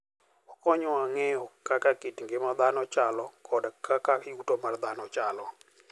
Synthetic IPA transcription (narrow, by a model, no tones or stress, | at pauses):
ɔkɔɲɔaŋɛjɔkakakitŋɡɪmad̪anɔt͡ʃalɔkʰɔdkʰakakɪutomard̪anɔt͡ʃalɔ